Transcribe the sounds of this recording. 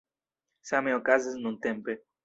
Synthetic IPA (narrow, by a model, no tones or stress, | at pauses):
sameokazeznũnt̪empe